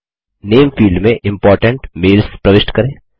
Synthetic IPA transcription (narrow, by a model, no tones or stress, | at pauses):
neːmfiːlɭɖmẽʔɪ̃mpɔːɾʈə̃ɳʈmeːlspɾɐʋɪʃʈkɐɾẽː